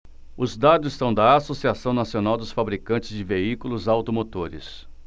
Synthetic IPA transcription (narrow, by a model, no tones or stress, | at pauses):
ʊzd̪ad̪ʊzɪst̪ɐ̃w̃d̪ɐasosiasɐ̃w̃nasionawd̪ʊsfabɾikɐ̃nt͡ʃɪzd͡ʒɪveikulʊzawt̪omot̪oɾɪ̰s